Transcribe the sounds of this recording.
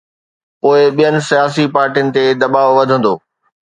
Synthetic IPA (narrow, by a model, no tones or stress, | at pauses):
poːɪɓijənɪ̆sijaːsipaːɾʈijənɪ̆t̪ed̪ɐɓaːʋʋɐd̪ʱə̃nd̪oː